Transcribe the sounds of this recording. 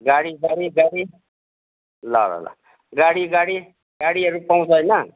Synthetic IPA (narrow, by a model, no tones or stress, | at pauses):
ɡaɽiːɡaɽiːɡaɽiː | la̰la̰la̰ | ɡaɽiːɡaɽiː | ɡaɽiːəɾupaɦũt͡sajna